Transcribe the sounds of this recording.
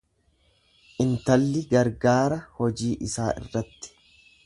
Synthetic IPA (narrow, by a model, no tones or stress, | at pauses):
ʔɪnt̪ɐlːɪɡɐɾɡaːɾɐhɔd͡ʒiːʔɪsaːʔɪ̰rːɐt̪ːɪ̥